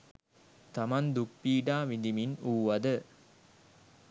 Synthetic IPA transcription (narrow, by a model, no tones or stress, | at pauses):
t̪ɐmɐnd̪uk̚piːɖaːʋind̪iminuːʋɐd̪ə